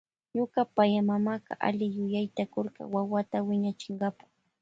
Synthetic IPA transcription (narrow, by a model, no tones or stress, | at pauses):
ɲokapajamamaqɑ̰ʔa̰lɪjʊjajt̪akoɾɢɑ̰wawat̪awɪɲat͡ʃɪɴɢɑpḁ